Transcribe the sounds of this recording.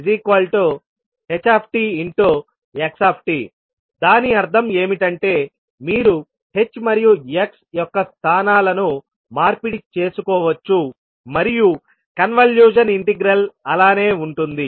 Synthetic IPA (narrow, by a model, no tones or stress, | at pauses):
zikʋɐlʈoː | het͡ʃːaːpʰʈiiɳʈoː | eksaːpʰʈḭː | d̪aːniɐɾd̪ʱɐme̞ːmiʈɐɳʈe̞ː | miːɾu | he̞t͡ʃːmɐɾijueksjɔkːɐst̪ʰaːnaːlɐnu | maːɾpiɽit͡ʃe̞ːsukɔːʋɐt͡ʃːu | mɐɾiju | kɐnʋɐljuːʃ̬ɐniɳʈiɡɾɐlɐlaːne̞ːuɳʈund̪i